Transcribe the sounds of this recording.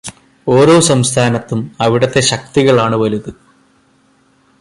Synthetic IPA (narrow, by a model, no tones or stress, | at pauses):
o̞ːɾo̞ːsɐmst̪ʰaːnɐt̪ːumɐʋiɽɐt̪ːe̞ɕɐk̚t̪iɣɐɭaːɳɨʋɐluðɨ